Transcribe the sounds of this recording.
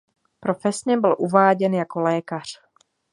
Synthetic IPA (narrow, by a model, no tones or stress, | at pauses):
pɾofɛsɲɛbɪlʔuvaːɟɛnjako̞lɛːkar̝̥